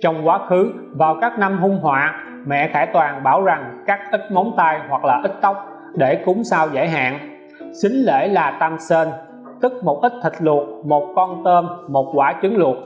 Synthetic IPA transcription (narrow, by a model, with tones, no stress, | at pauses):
t͡ɕɔ˧wŋ͡mkwaː˨˦xɨ˨˦ | vaː˨˩wkaː˦˥k̚na˧mɦʊ˧ŋ͡mɦwa̰ː˧˨ | mɛ̰˧˨xaː˧˩jt̪waː˨˩ŋɓaː˧˩wza˨˩ŋkaː˦˥k̚ʔi˦˥t̚mɔ˨˦wnt̪a˧jhwa˨˩k̚laː˨˩ʔï˦˥t̚t̪ə˦˥wk͡p̚ | ɗe˧˩kʊ˨˦ŋ͡msaː˧wza̰˧˩jɦa̰ː˧˨n | sï˨˦ŋ̟lḛ˧˩laː˨˩t̪a˧mse˧n | t̪ɨ˦˥k̚mo˨˩t̚ʔi˦˥t̚t̪ʰï˨˩k̟̚lu˨˩ət̚mo˨˩t̚kɔ˧nt̪əː˧mːo˨˩t̚kwaː˧˩t͡ɕɨ˨˦ŋlʊ˨˩ət̚